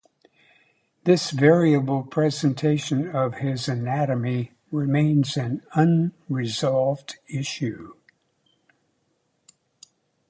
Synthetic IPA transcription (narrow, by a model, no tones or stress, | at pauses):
ðɪsvɛɹiɨbl̩ˠpʰɹ̥ɛzɨ̃n̩tʰeɪʃɨ̃nʌv̥ɪzɨnæɾɨmi | ɹɪmẽɪ̃nzɨ̃nʌ̃nɹɨzɑlˠvdɪʃʉ